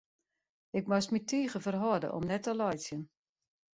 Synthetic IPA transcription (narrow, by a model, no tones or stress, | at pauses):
ɪk̚mɔsmitʰiːɣəfərɦɔdə̰ʔɔ̰mnɛtəlɔjsjən